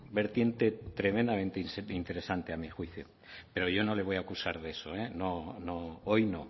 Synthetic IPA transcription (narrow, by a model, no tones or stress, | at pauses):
be̞ɾt̪je̞nt̪e̞t̪ɾe̞mẽnd̪amẽnt̪esint̪e̞ɾe̞sant̪e̞amixwiθjo̰ | pe̞ɾo̞ʝo̞no̞le̞β̞o̞jakusaɾð̞e̞soenonoojno